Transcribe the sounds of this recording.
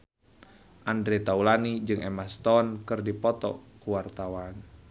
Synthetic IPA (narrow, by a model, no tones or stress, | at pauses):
ʔandɾet̪aulanid͡ʒɨŋʔɛmast̪ɔnkɨrdipɔt̪ɔ̰kuwart̪awan